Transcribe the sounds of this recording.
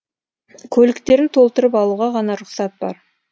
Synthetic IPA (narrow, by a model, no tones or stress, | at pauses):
kʲʰɵlɪkt̪e̞ɾɪnt̪ʰo̞lˠt̪əɾəpɑlˠuʁɑʁɑnɑɾʊqsɑt̪̚bɑ̰ɾ